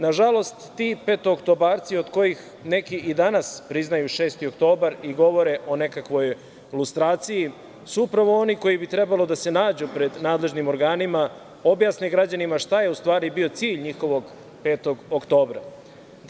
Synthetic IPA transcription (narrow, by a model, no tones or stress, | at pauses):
naʒalo̞st̪ːiːpe̞ːt̪ookt̪o̞baːɾt̪siod̪ko̞jix | ne̞kiʔid̪anaspɾiznajuʃe̞ːst̪io̞kt̪o̞ːbaɾiɡo̞ʋo̞ɾe̞ʔo̞ne̞kakʋo̞j | lust̪ɾaːt̪siji | suupɾaʋo̞o̞niko̞jibit̪ɾe̞balˠo̞d̪ase̞naːd͡ʑupɾe̞d̪naːd̪le̞ʒnimo̞ɾɡaːnima | o̞bjaːsniɡɾad͡ʑanimaʃt̪ajeust̪ʋaːɾibio̞t̪siːʎɲixo̞ʋo̞ɡ | pe̞ːt̪o̞ɡokt̪o̞ːbɾa̰